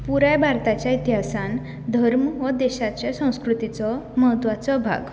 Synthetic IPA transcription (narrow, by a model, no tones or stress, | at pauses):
puɾajbʱaɾt̪at͡ɕjait̪iɦasan | d̪ʱəɾmʋəd̪eɕat͡ɕjasə̃w̃skɾut̪it͡sɔməɦət̪ʋat͡sɔbʱa̰ɡ